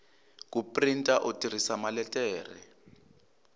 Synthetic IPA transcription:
k̬upʼrintʼaʔotʼiɾ̤isamalɛtʼɛːrɛ̰

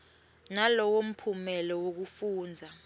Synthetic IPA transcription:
nalɔwom̩pʰumɛlɔwok̬ufuːnd͡zʱa

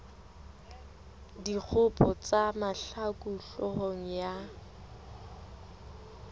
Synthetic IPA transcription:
dik͡xʰʊpʰʼɔt͡sʼamaɬakʼuɬɔhɔŋ̩ja

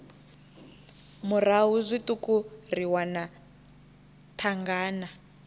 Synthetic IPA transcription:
muraɦuzʷitukuriwana | tʰaŋɡaːna

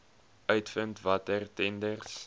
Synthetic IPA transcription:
œɥtfəntvɐtərtɛndərs

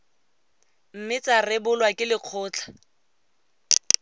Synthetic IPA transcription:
m̩mɪt͡sarɪbʊlwakʼɪlɪq͡χʰʊːt͡ɬʰḁ

